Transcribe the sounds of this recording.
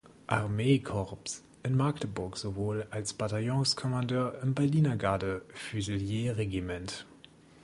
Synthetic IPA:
ʔa̰ʁmeːkʰɔʁps | ʔɪnmaktəbʊɐkz̥ovoːlalsb̥atajɔ̃skʰɔmɑndøːɐəmbɛɐliːnɐɡaːdəfyzəljeːʁeɡimɛnt

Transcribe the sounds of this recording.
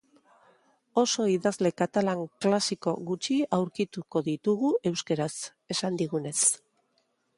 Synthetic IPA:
o̞so̞iðazle̞kat̪alaŋklasiko̞ɣut͡ʃiawɾkit̪uko̞ðit̪uɣue̞wskeɾas | e̞sand̪iɣ̞une̞s

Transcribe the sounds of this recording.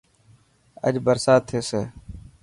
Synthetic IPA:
ə̰d͡ʒbəɾsaːt̪ʰːeːseː

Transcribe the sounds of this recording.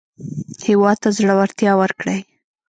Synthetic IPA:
hɪwɑd̪̚t̪azɽəwaɾt̪jɑwəɾkɽəj

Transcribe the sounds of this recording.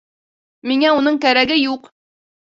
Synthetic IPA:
miŋæunɤɴkæɾæɡɘjuq

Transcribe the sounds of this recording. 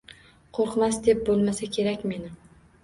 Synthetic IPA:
qʰoɾqmasd̪e̞p̚bolˠmasakʲʰe̞ɾakʲme̞nɪ

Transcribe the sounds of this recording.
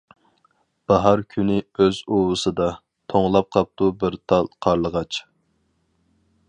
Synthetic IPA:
b̥ɑɦɑɾkʲʰynɪøzowɨsɨd̪ɑ | t̪ʰoŋlˠɑp̚qʰɑp̚t̪ubɪɾt̪ʰɑlˠqʰɑɾlˠəʁɑt͡ʃ

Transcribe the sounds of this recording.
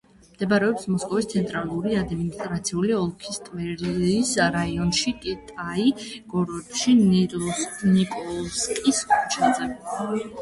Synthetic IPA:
md̪̥ɛbaɾɛɔpsmɔskʼɔvist̪sʰɛnt̪ʼɾalˠuɾiad̪minist̪ʼɾat̪sʰiuliɔlˠkʰist̪ʼvɛɾisɾaiɔnʃikʼit̪ʼaiɡ̥ɔɾɛpʃi | nikʼɔlˠskʼisʼt͡ʃʰat̪sʼɛɾɛ

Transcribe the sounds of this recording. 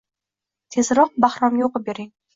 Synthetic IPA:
t̪ʰe̞zɾɒq̚bahɾɒmjoqbeɾɪŋ

